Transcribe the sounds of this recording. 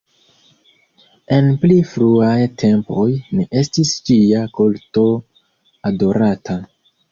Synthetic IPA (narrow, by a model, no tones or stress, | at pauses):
e̞nplifɾuajtʰe̞mpo̞jniʔe̞stist͡ʃiakolto̞ | ado̞ɾatʰa